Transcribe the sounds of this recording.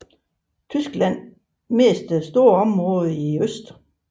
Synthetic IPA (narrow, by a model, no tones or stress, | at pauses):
t͡sʰysɡ̥læn̰ | me̝ːsd̥əsd̥o̝ːɐɒ̽mʁɔ̽ːðˠiøsd̥